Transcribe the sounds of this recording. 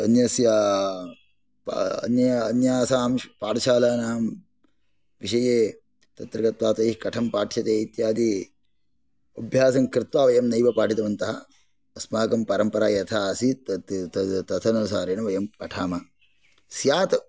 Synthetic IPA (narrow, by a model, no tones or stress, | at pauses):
ɐnjɐsjaː | pɐ̰njɐɐnjaːsaːmpaːɾɐʃaːlaːnaːm | ʋiʃɐjeː | t̪ɐt̪ɾɐkɐt̪ʋaːt̪ɐjɦkɐʈʰɐmpaːʈʰjɐt̪eːit̪jaːd̪i | ɐbʱjaːsɐŋkɾɪt̪ʋaːʋɐjɐmnɐjʋɐpaːʈit̪ɐʋɐnt̪ɐɦɐ | ɐsmaːkɐmpɐɾɐmpɐɾaːjɐt̪ʰaːɐsit̪t̪ɐt̪ʰɐnɐnsaːɾeːnɐʋɐjɐmkɐʈʰaːmɐ | sjaːt̪ɐ